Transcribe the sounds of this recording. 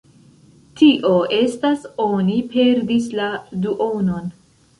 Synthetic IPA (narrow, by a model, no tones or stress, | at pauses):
tʰiʔoe̞stasonipe̞ɾdisladuʔonon